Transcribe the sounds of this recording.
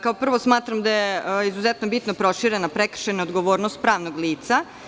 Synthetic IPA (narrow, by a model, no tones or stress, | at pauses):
kaopr̩ʋo̞smaːt̪ɾamd̪ajeizuzɛt̪nobit̪nopɾo̞ʃiɾenapɾekr̩ʃenaod̪ɡoʋoːɾnost̪̚pɾaːʋnoɡliːt̪sa